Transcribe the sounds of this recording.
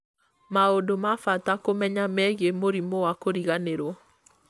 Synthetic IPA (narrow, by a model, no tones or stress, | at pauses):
maodomafatakomɛɲamɛɣemoɾimɔwakoɾiɣaneɾwɔ